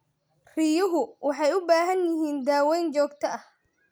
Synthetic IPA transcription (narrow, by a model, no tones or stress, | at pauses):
rɪjʊɦʊwɑħɑjʊbaːɦɐnjɪɦiːnd̪aːwɛjnt͡ʃɔːɡt̪ʰɐɐh